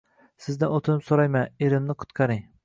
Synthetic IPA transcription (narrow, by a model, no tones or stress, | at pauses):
sɪzd̪anot̪ʰɪnɪpsoɾajmaneɾɪmnɪqʰʊ̥t̪qʰɑɾɪŋ